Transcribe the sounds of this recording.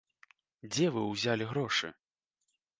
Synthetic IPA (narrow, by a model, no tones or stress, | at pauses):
d͡zʲɛvɨwzʲalʲiɣɾɔʂɨ̰